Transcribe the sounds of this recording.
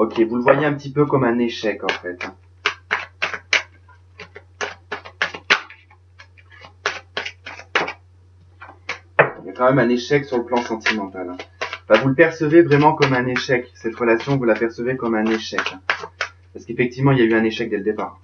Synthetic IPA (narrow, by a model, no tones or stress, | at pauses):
ɔkʲevuləvwajeɛ̃pət̪ipøkɔmɛ̃neʃɛkɑ̃fɛt̪ɛ̃ | ijakɑ̃mɛmɛ̃neʃɛksyʁləplɑ̃sɑ̃t̪imɑ̃t̪al̃bavuləpɛʁsəvevʁɛmɑ̃kɔmɛ̃neʃɛksɛt̪ʁəlasjɔ̃vulapɛʁsəvekɔmɛ̃neʃɛkɛ̃ | paʁsə̥kefɛk̚t̪ivmɑ̃iljayɛ̃neʃɛk̚d̪ɛləd̪epaːʁ